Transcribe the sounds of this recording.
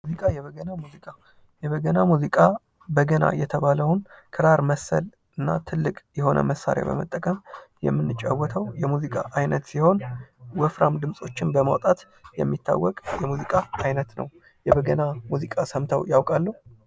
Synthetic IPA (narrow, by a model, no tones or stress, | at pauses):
mzikʼajɛβəɡənamuzikʼa | jɛβəɡənamuzikʼa | bəɡəna̰jɛt̪ʰəβaləwnkʰɨɾaɾməsə̰l | ɨnːat̪ʰɨlːɨkʼjɛho̞nʔə̰məsːa̰ɾja̰bə̰mət̪ʼːəkʼəmjɛ̰mːɨnːɨt͡ʃʼa̰wːɔt̪ʰəwjɛmuzikʼaʔajnət̪siho̞nwəfɾamd̪ɨmsʼo̞t͡ʃːɪnbəmawt̪ʼat̪ | jɛ̰mːit̪ʰːa̰wːɔkʼjɛmuzikʼaːjnət̪nə̰w | jɛβəɡənamuzikʼasəmt̪ʰəwjawkʼalːuh